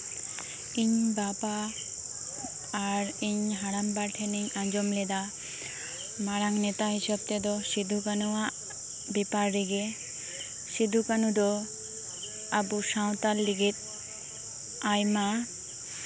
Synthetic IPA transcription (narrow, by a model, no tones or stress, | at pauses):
iɲbapa | ɾiɲɦaɽambaɾʈʰeniŋãnd͡ʒɔmled̪a | maɽaŋnet̪aɦiʃɔb̚t̪ed̪ɔʃid̪ʱukanua | bepaɾːiɡe | ʃid̪ʱukanud̪ɔ | abusãwt̪alːiɡet̪ | ajma